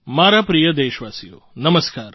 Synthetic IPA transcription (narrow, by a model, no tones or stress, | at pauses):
maːɾapɾijəd̪eːʃʋaːsijo̰ːnəməskaːɾ